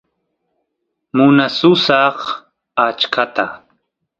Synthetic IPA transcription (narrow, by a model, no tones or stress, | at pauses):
mʊnasʊsɑχ | at͡ʃkʰat̪a̰